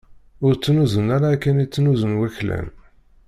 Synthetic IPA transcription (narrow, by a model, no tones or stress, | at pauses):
ʊɾt͡sːnuzənæɾaːkːænit͡sːnuzənwæçlæ̰n